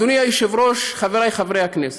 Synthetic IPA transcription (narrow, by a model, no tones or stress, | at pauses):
unijajiʃevɾoʃχaveɾajχavʁejhaknes